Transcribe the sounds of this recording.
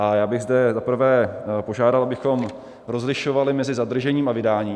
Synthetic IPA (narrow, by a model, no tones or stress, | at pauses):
ʔajaːbɪɣzdɛzapr̩vɛːpo̞ʒaːdalˠʔabɪxo̞m | ɾo̞zlɪʃo̞valɪmɛzɪzad̪r̩ʒɛɲiːmavɪdaːɲiː